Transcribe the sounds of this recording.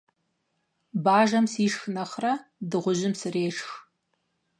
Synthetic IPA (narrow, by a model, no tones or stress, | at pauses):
baːʒɐmsiːʂxɨnɐχrɐdɨʁʷʊʑɪmsɨreːʂx